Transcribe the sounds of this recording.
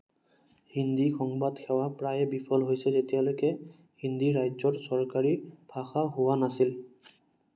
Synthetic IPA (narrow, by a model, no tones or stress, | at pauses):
hindixɔŋbadkʰɛwapɹajɛbipʰɔlɦojsɛzetijalojkɛ | hind̪iɹajzɔɹsɔɹkaɹib̥ʰʱaxaɦʊwanasil